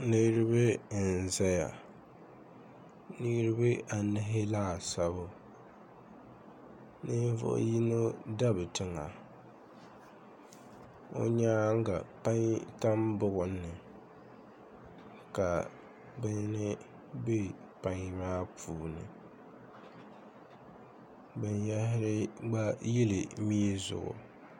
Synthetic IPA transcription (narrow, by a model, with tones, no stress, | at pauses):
le˦ɾɪ˦bɪ˦˨n̩˨zɛ˦ja̰˨ | ni˦ɾɨ˦bɨ˦ʔa˨nɪ˦ɦɪ˦laː˦˨sa˨bʊ˦ | nɨ˦ɱ˦vʊ̰˦ʔji˦no˦da˦bɨ˨tɪ˨ŋa˨ | o̰˦ɲaː˦ŋ˦ɡa˨pa˦ŋ˦ta˦mbʊ˦ɣʊ˨n̩ː˦ɨ˨ | ka˨ | bɨ˦nɨ˦ | be˦ | pa˨ŋ˦maː˦pʰuː˨nɨ̰˨ | bɨ˨njɛ˦ɦɪ˦ɾɪ˦ɡ͡ba˦ji˦lɨ˨mi˦e˦zʊ̰˨ɡʊ̰˨